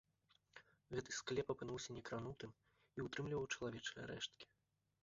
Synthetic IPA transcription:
ɣɛt̪ɨsklʲɛpɐpɨnuwsʲɐnʲɛkɾanut̪ɨm | iut̪ɾɨmlʲivɐwt͡ʂɐlˠavʲɛt͡ʂɨjɐ̰ɾɛ̰ʂt̪̚kʲi̥

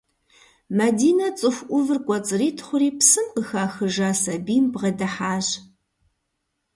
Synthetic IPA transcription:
mɐdiːnɐt͡sʼɨxʷʔʷʊvɨrkʷʼɔt͡sʼɨriːtʰχʷʊɾiːpsɨmqəxaːxɨʒaːsɐbiːmbʁɐdɐħaːʑ

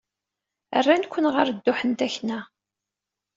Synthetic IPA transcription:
ə̰rːænkʷːənʁəɾd̪ːʊħənt̪æçnæ

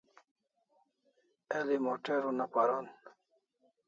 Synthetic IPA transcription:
elimoʈeɾunapaɾon

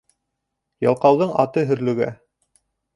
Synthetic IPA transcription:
jɑ̰lˠqɑwðɤɴɑt̪ɤɦɵ̆ɾlɵ̆ɡæ̰

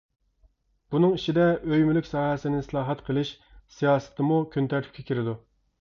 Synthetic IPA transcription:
b̥unɨŋiʃid̪ɛʔøjmylykʲsɑːhɛsɪnɪsɨlˠɑːɦɛt̪qʰəlˠɨʃ | sijɑːsɨ̥t̪ʰɪmukʲʰønt̪ʰæɾt̪ʰy̥p̚ʲkʲɛkʲʰiɾɪd̪u

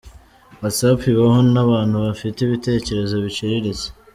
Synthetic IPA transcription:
wasapiβaɦonaβaːnhuβafiteiβite̞ːce̞ɾe̞zo̞βiciɾiɾize̥

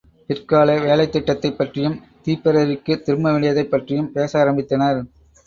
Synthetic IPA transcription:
pɪrkaːlɐɪʋeːlɐɪt̪ːɪʈːɐt̪ːɐɪpːɐʈrɪjɯm | t̪iːpːɛɾɐɾɪkːɯt̪ɪɾɯmɐʋɪɭɪjɐðɐɪpːɐʈrɪjɯmpeːsaːɾɐmbɪt̪ːɐnɐɾ

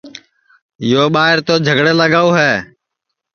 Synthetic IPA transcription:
joːɓaːɦɪɾt̪oːd͡ʒʱəɡɽeːləɡaːoːɦɛː

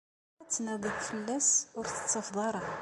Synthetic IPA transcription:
æt͡sːnæðˤəθfəlːæsʊɾθə̥t͡sːɑfðˤɑɾˤɑ

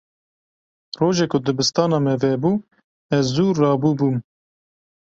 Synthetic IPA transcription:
roːʒekʰʊd̪ɨbɨst̪ɑːnɑːmɛvɛbuː | ɛzːuːrːɑːbuːbuːm

